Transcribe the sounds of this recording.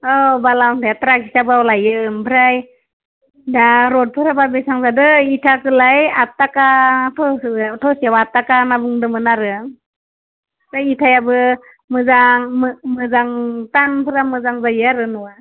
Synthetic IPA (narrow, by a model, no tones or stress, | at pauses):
ɔbalawŋtʰajatɾakʰi̥sabɯawlajɯmpʰɯɾaj | daɾɔd̚pʰɯɾababesaŋzadɯitʰakɯlajatːakatʰɔtʰɔsiawatːakanabuŋdɯmɯnaɾɯŋ | pʰɾajitʰajabɯ | mɯzaŋmmɯzaŋtanpʰɯɾamɯzaŋzajaɾɯnuwa